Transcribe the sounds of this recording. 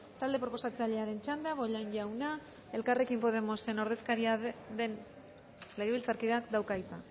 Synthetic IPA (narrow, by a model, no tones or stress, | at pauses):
t̪ald̪e̞pɾo̞po̞sat͡saʎe̞aɾe̞nt͡ʃand̪eaβo̞ʎanʎawna | e̞lkare̞kimpo̞ð̞e̞mo̞se̞no̞ɾðe̞skaɾiaðe̞n | le̞ɣeβilt͡saɾkiðeakd̪awkajt͡s̪a